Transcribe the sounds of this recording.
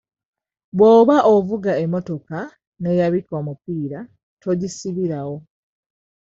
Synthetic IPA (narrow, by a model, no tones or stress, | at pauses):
βwoːβaʔovuɡae̞mːo̞to̞ka | ne̞jaβikoːmupiːɾa | tʰo̞ɟisiβiɾawo̞